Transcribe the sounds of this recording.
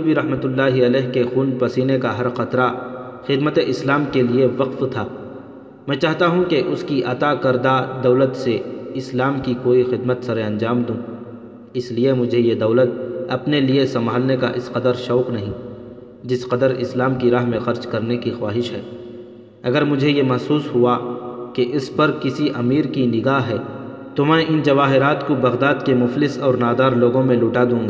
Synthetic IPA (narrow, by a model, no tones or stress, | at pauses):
biɾɐɦmət̪ʊlːaːɦiɐlɛːɦkexuːnpɐsiːnekaɦɐɾxɐt̪ɾa | xɪd̪mət̪eʔɪslaːmkelieʋɐqft̪ʰaː | mɛ̃ːt͡ʃaːɦt̪aɦũkeʔʊskiʔɐt̪akɐɾd̪ad̪ɐʊlət̪seɪslaːmkikoːixɪd̪mət̪sɐɾeɐ̃ɲd͡ʒaːmd̪ũː | ɪsliemʊd͡ʒʱejed̪ɐːʊlət̪̚ɐpneliesɐmbʱaːlneka̰ʔɪsqɐd̪əɾʃɔːqnɐɦĩ | d͡ʒɪsqɐd̪əɾɪ̰slaːmkiɾaːɦmẽxɐɾd͡ʒkɐɾnekixwaːɦɪʃɦɛː | ɐɡəɾmʊd͡ʒʱejemɐɦsuːsɦʊakeʔɪspɐɾkɪsiʔɐmiːɾkinɪɡaːɦɦɛː | t̪omɛ̃ːʔɪnd͡ʒɐʋaːɦɪɾaːt̪kobɐɣd̪aːd̪kemʊflɪsɔːɾnaːd̪aːɾloːɡõmẽlʊːʈad̪ũːŋɡa